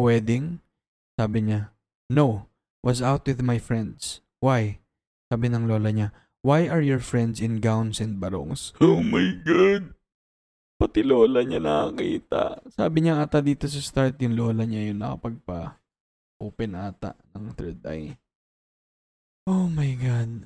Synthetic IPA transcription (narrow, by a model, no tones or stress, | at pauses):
wɛːd̪ɪŋ | saːbɪɲa | now | wʔɐsawt̪̚wɪðmajfɹɛ̃nd̪s | waj | saːbɪnɐŋlo̞ːlɐɲa | wajʔɐɹjɔɹfɹɛnd̪sɪ̃nɡawnsɛ̃nd̪̚bɐɾo̰ŋsomajɡad̪̚ | pɐt̪ɪloːlɐɲanɐkɐkḭːt̪ɐ̰ʔsa̰ːbɪɲaʔaːt̪ad̪iːt̪o̞sɐst̪aɹt̪jʊŋlo̞ːlɐɲajʊnːɐ̰kɐ̰pɐɡ̚pɐ | ʔuːpɛnʔaːt̪a̰ʔnɐŋθɛɹd̪̚a̰j | ʔomɐjɡad̪̚